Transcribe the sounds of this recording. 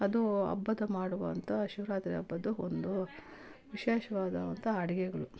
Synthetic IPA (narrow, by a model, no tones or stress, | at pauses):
ɐd̪uɐ̰bːɐd̪ɐmaːɽuʋɐnt̪ʰɐʃuʋɾaːt̪ɾiɐbːɐd̪uond̪u | ʋiʃeːʃɐʋaːd̪ɐʋɐnt̪ʰɐɐɽiɡɛɡɐɭu